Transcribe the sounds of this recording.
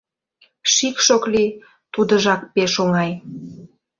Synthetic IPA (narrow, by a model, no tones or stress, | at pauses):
ʃikʃokli | t̪ud̪əʒɑk̚peʃoŋɑj